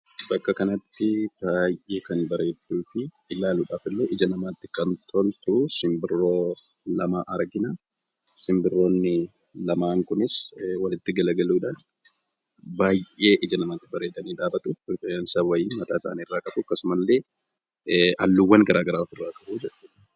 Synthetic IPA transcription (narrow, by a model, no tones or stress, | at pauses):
bɐkːɐkɐnɐt̪ːɪb̥aːjʔe̞ːkɐnbɐɾe̞ːd̪ːuːfɪː | laːluːᶑaːfɪlːeːʔɪd͡ʒɐnɐmaːt̪ːɪkɐnt̪ʰɔlt̪ʊʔʊsɪmbɪrːo̞ː | lɐmaːʔɐɾɡɪnɐ | sɪmbɪrːo̞ːnːɪ | lɐmaːŋkʊnɪswɐlɪt̪ːɪɡɐlɐɡɐluːᶑan | baːje̞ːʔɪd͡ʒɐnɐmaːt̪ːɪbɐɾe̞ːd̪ɐniːᶑaːbɐt̪ʼʊɪfɐɐnsɐwɐjɪːnmɐt̪aːɪsa̰ːnirːaːkʼɐbʊɐkːɐsʊmɐlːe̞ː | ʔɐ̰lːuwːɐnɡɐɾaːɡɐɾaːfɪrːaːkʼɐbuːd͡ʒɛt͡ʃːu̥ːᶑɐ̥